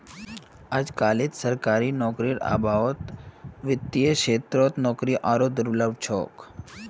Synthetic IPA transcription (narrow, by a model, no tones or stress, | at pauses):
ad͡ʒkaːlɪt̪səɾkaːɾinɔːkɾiɾa̰ːbʱaːʋət̪ʋɪt̪ːijeʃeːt̪ɾoːt̪nɔːkɾiʔaːɾod̪ʊɾləbʱt͡ʃʰo̰ːk